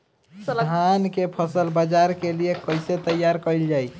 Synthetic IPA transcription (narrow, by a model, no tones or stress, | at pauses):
d̪ʱɦankepʰəsəlbad͡ʒaɾkeliekəjset̪əjaɾkəɪld͡ʒaj